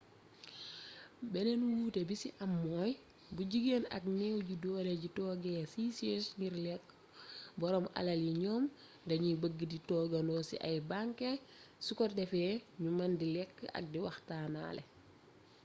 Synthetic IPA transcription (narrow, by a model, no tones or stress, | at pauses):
bɛnɛnuwuːtebisiʔɐmːɔːj | buɟiɡenɐ̰k̚nɛwɟidɔːleɟitɔːɡɛːsiːsesɲiɾlɛkː | bɔɾɔmɐ̰lɐljiɲɔːm | dɐɲibəɡːəditɔːɡɐnɔsḭʔɐ̰jbaŋkesukɔdɛfɛːɲumɐndilɛkːɐ̰k̚diwɐxtaːna̰ːlʔɛ̰